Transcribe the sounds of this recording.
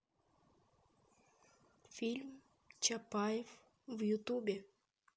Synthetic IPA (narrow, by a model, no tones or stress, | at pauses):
filʲm | t͡ɕapɑjef | vjut̪ubʲe